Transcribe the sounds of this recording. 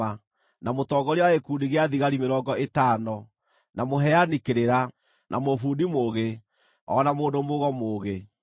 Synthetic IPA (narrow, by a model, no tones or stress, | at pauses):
a | namotɔɡɔɾewaekuːndiɣeaðiɣaɾimeɾɔːɡɔetaːnɔ | namoɦɛanikeɾeɾa | nʔa̰mofuːndimoːɣe | ɔ̰namoːndomoɣɔmoːɣe